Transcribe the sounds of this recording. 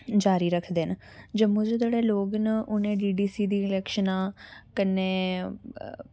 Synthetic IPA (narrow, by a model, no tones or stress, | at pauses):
d͡ʒaːɾiːɾəkʰd̪eːnd͡ʒəmʊ̃d͡ʒd͡ʒ̪eːɽeːloːɡnʔʊnẽːɖiːɖiːsiːd̪iːɪlɛːkʃənãːkənːeː